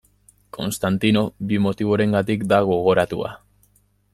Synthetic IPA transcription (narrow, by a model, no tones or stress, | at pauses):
kʰo̞nst̪ant̪ino̞bimo̞t̪iβ̞o̞ɾe̞ŋɡat̪ikd̪aɣ̞o̞ɣ̞o̞ɾat̪ua̰